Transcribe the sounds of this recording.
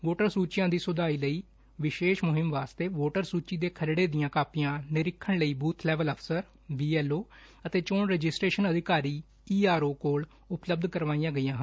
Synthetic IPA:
ʋoːʈəɾsuːt͡ʃɪjãːd̪iːsʊd̪aːiːləiː | ʋɪʃeːʃmʊɦɪmʋaːst̪eːʋoːʈəɾsuːt͡ʃiːd̪eːkʰəlɽeːd̪ɪjãːkaːpɪjãːnɪɾɪkʰːəɳləiːbuːt̪ʰlɛːʋələpʰsəɾ | biːɛːloːət̪eːt͡ʃoːɳɾed͡ʒɪsʈɾeːʃənəd̪ʱɪkaːɾiː | iːaːɾoːkoːl | ʊpləb̚d̪kəɾʋaːĩjãːɡəijãːɦən

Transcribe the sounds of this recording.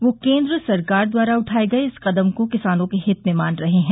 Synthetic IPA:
ʋoːkẽːnd̪ɾəsɐɾkaːɾd̪waːɾaʊʈʰaːeɡɐeɪsqɐd̪əmkokɪsaːnõkeɦɪt̪memaːnɾɐɦeɦɛ̃ː

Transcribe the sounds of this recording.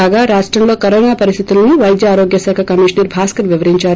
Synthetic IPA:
aːɡaːɾaːʂʈɾɐmlo̞ːkɐɾoːnaːpɐɾist̪ʰit̪ulɐniʋɐjd̪jɐaːɾo̞ːɡjɐsɛːkʰakɐmiʂnɐɾbʱaːskɐɾʋiʋɐɾiɲt͡ʃaːɾu

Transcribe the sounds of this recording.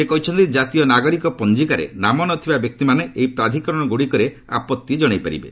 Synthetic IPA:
sekɔɦit͡ʃʰɔnt̪id͡ʒat̪ijɔnaɡɔɾikɔpɔnd͡ʒikaɾḛnamɔnɔt̪ʰibabjɔk̚t̪imaneʔeipɾad̪ʱikɔɾɔɽ̃ɔɡuɽikɔɾe | a̰pɔt̪ːied͡ʒɔɽ̃ajpaɾḭbḛ

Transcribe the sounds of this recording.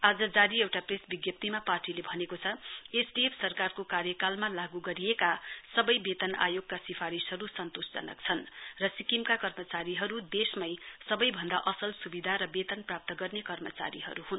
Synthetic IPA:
ad͡zʌd͡zaɾiewʈapresbiɡjʌp̚t̪imaparʈilebʱʌnekot͡sʰʌesɖiepʰsʌrkarkokarjʌkalmalaɡuɡʌɾijekasʌbʌjbet̪ʌna̰joɡ̚kasipʰaɾisɦʌɾusʌnt̪osd͡zʌ̰nʌ̰k̚t͡sʰʌnrʌsikimkakʌrmʌt͡saɾiɦʌɾud̪esmʌjsʌbʌjbʱʌnd̪aʔʌsʌlsubid̪ʱaɾʌbet̪ʌnprap̚t̪ʌɡʌrnekʌrmʌt͡sa̰ɾiɦʌ̰ɾuɦun

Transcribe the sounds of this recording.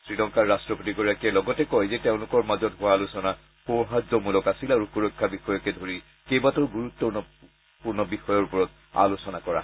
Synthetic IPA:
sɹilɔŋkaɹːastɹɔpotiɡɔɹakɛlɔɡɔtɛkɔjzɛteʊ̃lʊkɔɹmazɔtɦʊwalʊsɔna | pɔɹɦad͡ʒɔmulɔkasilaɹukuɹɔkʰːabixɔjɔkɛdʱoɹi | kejbatʊɹɡuɹutːɔnɔ | puɹnɔbixɔjɔɹpɔɹɔt | a̰losɔnakɔɹa̰

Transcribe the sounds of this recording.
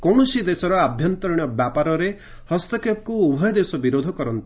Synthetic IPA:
kɔwɳɔsid̪esɔɾɔabʱjɔnt̪ɔɾiɽ̃ɔbjapaɾɔɾe | hɔst̪ɔkʰep̚kuubʱɔjɔd̪esɔbiɾod̪ʱɔkɔɾɔnt̪i̥

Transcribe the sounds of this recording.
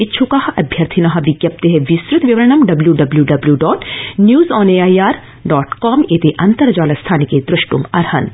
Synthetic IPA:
ɪtːʃʰukaːɦʔɐbʱjɐɾt̪ʰinɐɦɐ̆ʋɪɡjɐp̚t̪eɦɛʋisɾut̪ʋjiɐʋɐɾɐɳɐmɖɐbljuɖɐbljuɖɐbljuɖɔːʈnjuːzɔːneːaːiaːɾ | ɖɔːʈkɔːmeːt̪eʔɐnt̪ɐɾd͡ʒaːlɐst̪ʰaːniked̪ɾɪʃʈumɐɾhɐn

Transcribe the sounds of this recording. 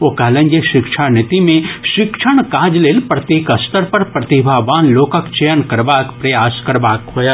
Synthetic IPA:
oːkaːlə̃nɡəʃɪkʃʰanɪt̪imẽʃɪkʃʰəɽ̃kaːd͡ʒleːlpɾɐt̪jeːkɐst̪əɾpɐɾpɾɐt̪ibʱaːʋaːnloːkəkt͡ʃejənkɐɾbaːkpɾɐjaːskɐɾbaːkɦoːjaː

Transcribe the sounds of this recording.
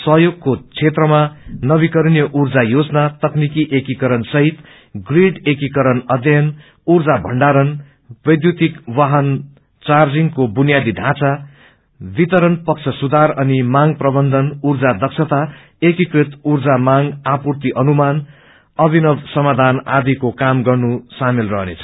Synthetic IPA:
sʌɦjoɡ̚kot͡sʰet̪rʌmanʌβikʌɾnjʌʔurd͡zajod͡znat̪ʌknikiʔekikʌɾʌnsʌɦit̪ | ɡriɖekikʌɾʌnʌd̪jʌn | urd͡zabʱʌ̰ɳɖaɾʌn | b̥ʌjd̪jut̪ikwaɦʌn | t͡sard͡ziŋkobunjad̪iɖʱãt͡sa | bit̪ʌɾʌnpʌk̚t͡sʰʌsud̪ʱarʌnimaŋprʌbʌnd̪ʱʌnurd͡zad̪ʌksʰʌt̪a | ekikrit̪urd͡zamaŋapurt̪iʔʌnuman | ʌbʱinʌbsʌmad̪ʱana̰d̪ikokamɡʌrnusamilrʌɦnḛt͡sʰʌ̥

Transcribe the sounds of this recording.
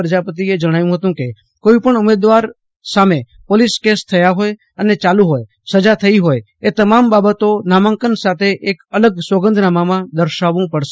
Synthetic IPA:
ɾəd͡ʒapət̪̬ied͡ʒəɽ̃ajũɦət̪ũke | koipəɳumed̪ʋaɾ | same | poliskest̪ʰəjaɦoj | ənet͡ʃalũɦoj | səd͡ʒat̪ʰəiɦoj | et̪əmambabət̪onamaŋkənsat̪ʰeʔekələɡswəɡənd̪ʱnamamãd̪əɾʃaʋũpəɽʃe

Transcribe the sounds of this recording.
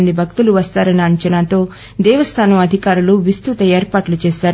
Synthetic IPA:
nd̪ibʱɐk̚t̪uluʋɐst̪aːɾɐniɐɲt͡ʃɐnaːt̪o̞ː | d̪ɛːʋɐst̪ʰaːnɐmɐd̪ʱikaːɾuluʋist̪ut̪ɐeːɾpaːʈlut͡ʃeːʃaːɾ

